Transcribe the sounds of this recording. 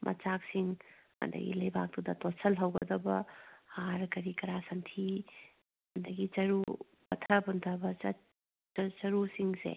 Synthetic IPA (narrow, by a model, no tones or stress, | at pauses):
mʔɐ̰t͡ʃak̚siŋhɐ̰ndɐ̰ɡḭlɐjbak̚dudɐtosɐlɦɐwɡɐdɐbɐhaɾkɐɾikɐɾasɐntʰi | hɐndɐɡit͡ʃɐɾu | pɐtʰɐbuntʰɐbɐt͡ʃɐ | t͡ʃɐt͡ʃɐɾusiŋsḛ